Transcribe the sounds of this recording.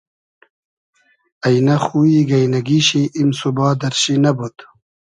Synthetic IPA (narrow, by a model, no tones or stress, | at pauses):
ajnaxuiɡɐjnɐɡiɕiʔimsubɑːd̪ɐɾɕinɐbut̪